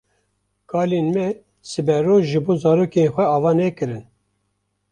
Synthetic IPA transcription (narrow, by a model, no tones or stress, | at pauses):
kʰɑːlenmɛ | sɨbɛɾoːʒɨboːzɑːɾoːkenxʷɛɑːvɑːnɛkɨɾɨn